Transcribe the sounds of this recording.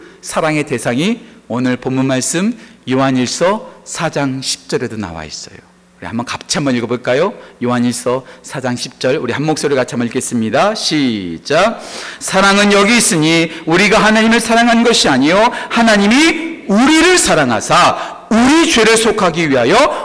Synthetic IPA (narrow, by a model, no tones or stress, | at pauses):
sʰaɾaŋe̞te̞sʰaŋionɯɭpomːunmaɭs͈ɯmjoɦaɲiɭs͈ʌsʰad͡ʑaŋɕʰi̥p̚t͡ɕ͈ʌɾe̞dona̰wa̰is͈ʌ̰jo | uɾḭha̰mbʌnkap̚t͡ɕʰambʌɲiɭɡʌboɭk͈ajojoɦaɲiɭs͈ʌsʰad͡ʑaŋɕʰi̥p̚t͡ɕ͈ʌɭuɾihanːok̚s͈oɾɯɭkat͡ɕʰamʌik͈e̞s͈ɯmɲidaɕʰit͡ɕ͈asʰaɾaŋɯnjʌɡiːs͈ɯɲiuɾiɡahanaɲimɯɭsʰaɾaŋɦannɡʌɕʰiaɲijohanaɲimiuɾiɾɯɭsʰaɾaŋɦa̰sʰa | uɾit͡ɕwe̞ɾɯɭsʰokʰaɡiɥiɦajʌ